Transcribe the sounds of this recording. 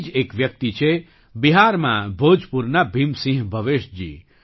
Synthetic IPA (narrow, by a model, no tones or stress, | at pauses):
d͡ʒekʋjək̚t̪it͡ʃʰe | biɦaɾmãbʱod͡ʒʱpuɾnabʱimsĩɦbʱəʋeʃd͡ʒḭ